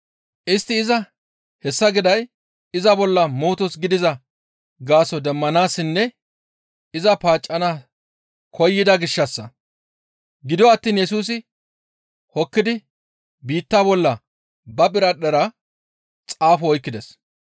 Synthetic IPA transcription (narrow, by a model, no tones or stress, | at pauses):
ʔɪst̪ːɪːzɐ | hɛsːɐɡɪd̪ɐj | ɪzɐbɔlːɐmoːt̪ɔsɡɪd̪ɪzɐ | ɡaːsɔd̪ɛmːɐnaːsːɪnːɛ | ɪzɐpaːt͡ʃʼːɐna | kʰɔjːɪd̪ɐɡɪʃːɐsːɐ | ɡɪd̪ɔɐt̪ːiːnjɛsuːs̬ɪ | hɔkːɪd̪ɪ | biːt̪ːaːbɔlːɐ | bɐbɪɾɐɗɛɾɐ | t͡sʼaːfɔɔjkːɪd̪ɛs